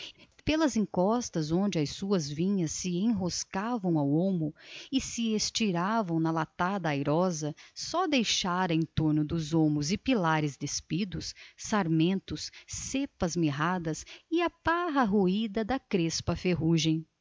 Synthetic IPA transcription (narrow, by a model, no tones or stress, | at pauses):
pelɐzẽŋkɔst̪ɐzõnd͡ʒɪɐsuɐzvĩɲɐsːɪẽɦoskavɐ̃w̃awõmʊɪsɪest͡ʃiɾavɐ̃w̃nɐlat̪ad̪ɐajɾɔzɐsɔd̪ejʃaɾɐẽnt̪oɾnʊd̪ʊzõmʊzɪpilaɾɪzd̪espid̪ʊsːaɾmẽnt̪ʊsːepɐzmiɦad̪ɐsɪɐpaɦɐɦuid̪ɐd̪ɐkɾespɐfeɦuʒẽj̃